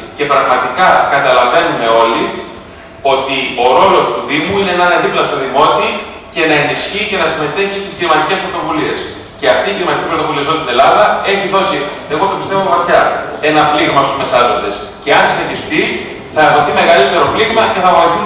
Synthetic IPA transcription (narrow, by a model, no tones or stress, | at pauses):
ce̞pɾɐɣmɐt̪ikɐkɐt̪ɐlɐvenime̞o̞li | o̞t̪io̞ɾo̞lo̞st̪uðimuineenɐðiplɐst̪oðimo̞t̪i | ce̞nɐe̞nisçice̞nɐsime̞t̪e̞çist̪i̥sklimɐt̪ice̞spɾo̞t̪o̞vulie̞s | ce̞ɐft̪iːklimɐt̪icʲipɾot̪o̞vuliɐzont̪ine̞lɐðɐe̞çiðo̞si | eɣot̪opist̪e̞vomɐt̪çɐe̞nɐpliɣmɐst̪uzme̞sɐzo̞nd̪e̞s | ce̞ɐnsinet̪ist̪i | θɐðo̞θime̞ɣɐlit̪e̞ɾo̞pliɣmɐce̞θɐɣoiθi